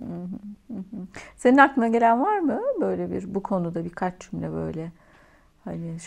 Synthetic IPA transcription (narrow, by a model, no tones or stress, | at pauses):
ɦɯɯɦɯse̞ninaklˠɯnaɟe̞lʲænvaɾmɯbø̞jlʲebḭɾbukʰo̞nud̪abiɾkʰat͡ʃd͡ʒʰymlʲɛ̰bø̞̰jlʲɛ | hanɪʃ